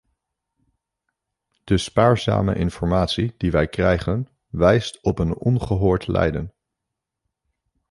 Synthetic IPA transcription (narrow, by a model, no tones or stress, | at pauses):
d̥əspaːɹza̰ːmə̰ʔɪnfɔɹmaːtsid̥iʋɛjkrɛjχən | ʋɛjstɔpənɔnχəɦʊːɹtlɛ̰jdən